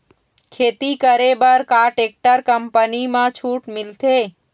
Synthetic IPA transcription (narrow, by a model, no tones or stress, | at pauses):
kʰeːt̪ikəɾebəɾkaːʈeːk̚ʈəɾkəmpənimãt͡ʃʰuːʈmɪlt̪eː